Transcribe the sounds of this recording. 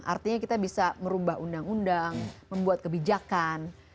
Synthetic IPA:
ʔa̰rt̪iɲakit̪abisaməɾubaɦundaŋundaŋməmbuat̪̚kəbid͡ʒakan

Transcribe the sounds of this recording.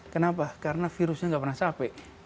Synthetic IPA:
kənapakaɾənafiɾusɲaŋɡapərnasapɛʔ

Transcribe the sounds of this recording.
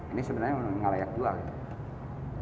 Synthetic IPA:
inisəbənarɲanŋalajak̚d͡ʒualit̪

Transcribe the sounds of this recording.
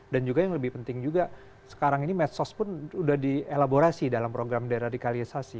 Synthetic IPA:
dand͡ʒuɡajaŋləbɪhpənt̪ɪŋd͡ʒuɡa | sə̥kaɾaŋinimɛt̪sɔspʊnudahdielaboɾasidalampɾoɡɾamdaɾadikalisasi

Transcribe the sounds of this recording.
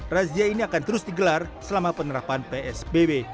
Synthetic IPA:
raziainiakant̪əɾʊsdiɡəlarsəlamapənəɾapanpeɛsbebe

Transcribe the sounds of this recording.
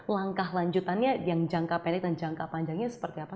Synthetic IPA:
laŋkaɦlaɲd͡ʒut̪anɲajaŋd͡ʒaŋkapɛnɛk̚dand͡ʒaŋkapaɲd͡ʒaŋɲasə̥pərt̪iapa

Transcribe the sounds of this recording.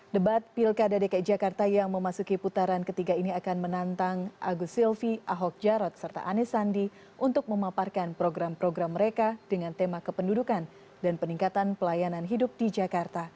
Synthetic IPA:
dəbat̪̚pilkadadekaid͡ʒakart̪ajaŋməmasukiput̪aɾankət̪iɡainiakanmənant̪aŋʔa̰ɡusilfiʔaɦɔk̚d͡ʒaɾɔt̪̚sərt̪a̰ʔanɛsandi | ʔunt̪ʊk̚məmaparkanpɾoɡɾampɾoɡɾamːəɾekad̥əŋant̪emakəpəndudukan | danpəniŋkat̪anpəlajananɦidʊp̚did͡ʒakart̪a

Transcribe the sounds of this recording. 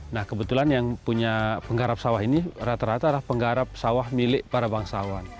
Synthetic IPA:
nahkəbət̪ulanjaŋpuɲapəŋɡaɾap̚sawaɦinirat̪aɾat̪alahpəŋɡaɾap̚sawahmilɪʔpaɾabaŋsawan

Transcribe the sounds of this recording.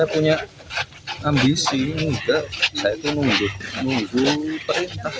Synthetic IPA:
japuɲaʔ | ambisinuɡaʔsajait̪unuŋɡʊt̪̚nuŋɡup̪əɾint̪ah

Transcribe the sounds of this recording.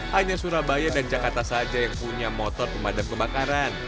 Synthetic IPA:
haɲasuɾahbajadand͡ʒakat̪asad͡ʒajaŋpuɲamɔt̪ɔrpəmadamkəbakaɾan

